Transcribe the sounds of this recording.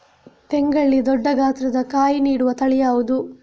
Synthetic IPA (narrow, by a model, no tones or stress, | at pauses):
t̪ɛŋɡɐɭːid̪ɔɖːɐɡʱaːt̪ɾɐd̪ɐkaːjiniːɽuʋɐt̪ɐɭɛjaːʋud̪u